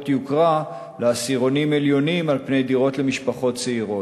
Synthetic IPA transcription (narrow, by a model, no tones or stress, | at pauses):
tjukʁa | leasiʁo̞nimeljo̞nimalpnejdiʁo̞tle̞miʃpaχo̞tt͡seiʁo